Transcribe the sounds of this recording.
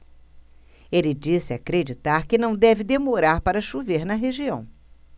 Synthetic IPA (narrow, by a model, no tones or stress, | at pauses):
elɪd͡ʒisɪakɾed͡ʒit̪aɾkɪnɐ̃w̃d̪ɛvɪd̪emoɾaɾpaɾɐʃuveɾnɐɦeʒiɐ̃w̃